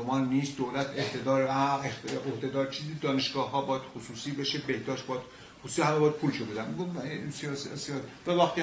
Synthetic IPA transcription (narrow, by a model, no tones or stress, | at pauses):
omɒːnːiːst̪̚d̪olæt̪ʰeht̪ed̪ɒːɾæeohd̪e̞d̪ɒːɾt͡ʃʰiːzid̪ɒːneʃɡɒːɦɒːbɒːjæd̪̥xosuːsiːbeʃebehd̪ɒːʃt̪̚bɒd̪̥ | xosusihæmːebɒjæd̪̚pʰuːlʃʰebud̪ænɡosiɒssiɒvævæχt̪i